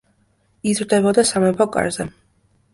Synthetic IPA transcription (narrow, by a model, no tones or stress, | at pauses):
izɾd̪ɛbɔd̪asamɛpʰɔkʼa̰ɾzɛ